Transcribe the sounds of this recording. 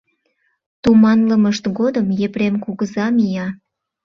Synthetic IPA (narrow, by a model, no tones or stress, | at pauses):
t̪umɑnləməʃt̪ɡod̪əmjepɾemkuɣəzɑmijɑ